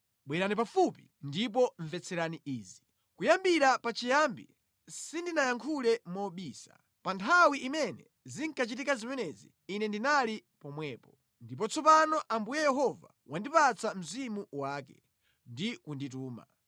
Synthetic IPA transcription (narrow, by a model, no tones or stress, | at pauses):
ɓwɛɾanip̬afupi | ndip̬ɔɱvɛt͡sʰɛɾaniʔiːzi | kujambiɾapat͡ʃijambḭ | sindinajaŋkʰulɛmɔɓiːsḁ̰ | pantʰawiʔimɛnɛ | ziŋkʰat͡ʃit̬ikazimɛnɛzḭːnɛndinalipɔmwɛːpɔ | ndip̬ɔt͡sɔpanɔʔambujɛjɛɦɔva̰ | wandipat͡sam̩zimuwaːkɛ̰ | ndikundit̬uːma̰